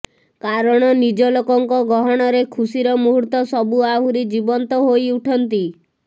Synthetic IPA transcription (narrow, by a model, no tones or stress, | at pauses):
kaɾɔɽ̃ɔnid͡ʒɔlokɔŋkɔɡɔɦɔɽ̃ɔɾekʰusiɾɔmuɦuɾt̪ɔsɔbuaɦuɾid͡ʒibɔnt̪ɔɦojuʈʰɔnt̪i